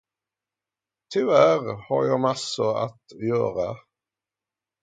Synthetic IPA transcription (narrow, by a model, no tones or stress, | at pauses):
t̪ʰʏvæɾhaɾjɑːmasːʊɾa̰t̪jœ̰ːɾa